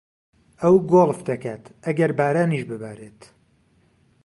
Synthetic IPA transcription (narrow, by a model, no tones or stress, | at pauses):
ɐwɡoːlˠfd̪ɐkaːt̪ɐɡɐɾbaːɾaːniʃbɨbaːɾeːt̪